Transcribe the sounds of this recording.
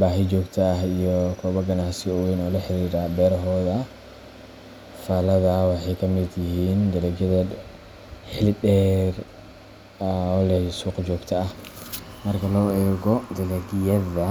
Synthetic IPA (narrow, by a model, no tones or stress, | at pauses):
baːɦɪt͡ʃɔːɡt̪ʰɐːɦijɔkʰɔːβɐɡɐnasɪɔwɛjnɔːlɐħɪɾiːɾabɛːɾɦɔːðɐ | faːlɐðɐwɑħɑjkʰɐmɪd̪jɪɦiːnd̪ɐlɐɡjɐðɐ | ħɪldɛːr | ɔlɛsuːqt͡ʃɔːɡt̪ʰɐɐhmɐrkʰɐlɔːɛːɣɔd̪ɐlɛɡɪjɐðɐ